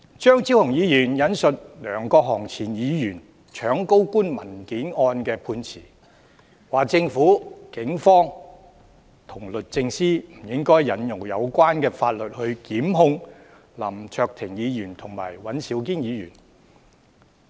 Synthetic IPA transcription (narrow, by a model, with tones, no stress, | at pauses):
t͡ʃœː˥ŋt͡si˨˥whʊ˨˩ŋjiː˨˧jyː˨˩njɐ˨˥nsɵ˨t̚lœː˨˩ŋkɔː˧k̚ɦɔː˨˩ŋt͡sʰiː˨˩njiː˨˧jyː˨˩n | t͡ʃʰœː˨˥ŋko˥wkuː˥nmɐ˨˩nkiː˨˥nɔː˧nkɛː˧pʰuː˧nt͡sʰḭː˨˩ | waː˨˩k̚t͡sɪ˧ŋfuː˨˥kɪ˨˥ŋfɔː˥ŋ | t̪ʰʊ˨˩ŋlɵ˨t̚t͡sɪ˧ŋsiː˥m̩˨˩jɪ˥ŋkɔː˥jjɐ˨˥njʊ˨˩ŋjɐ˨˧wkʷaː˥nkɛː˧faː˧t̚lɵ˨t̚hɵ˧ɥkiː˨˥mɦʊ˧ŋ | lɐ̰˨˩mt͡ʃʰœː˧k̚t̪ʰɪ˨˩ŋjiː˨˧jyː˨˩nt̪ʰʊ˨˩ŋma̰ː˨˩jwɐ˨˥nsi˨˥wk̬iː˥njiː˨˧jy̰ː˨˩n